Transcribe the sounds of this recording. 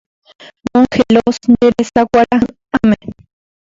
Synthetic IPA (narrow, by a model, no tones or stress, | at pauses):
moŋxelosneɾesakʷaɾa | ame